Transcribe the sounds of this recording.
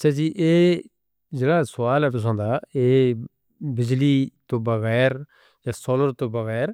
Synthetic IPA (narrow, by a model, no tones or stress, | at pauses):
ɐt͡ʃːʃʰaːd͡ʒiːʔeː | d͡ʒeɽaːsʊʋaːlɛːpɪs̬õːnd̪aːeː | bɪd͡ʒliːt̪obɐɣɛːɾ | jaːsoːləɾt̪obɐɣɛːɾ